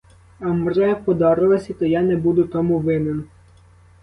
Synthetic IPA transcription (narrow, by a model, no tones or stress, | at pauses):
ɐmrɛpɔd̪ɔɾɪlˠɐsʲit̪ɔjanɛbud̪ʊt̪ɔmuʋɪnen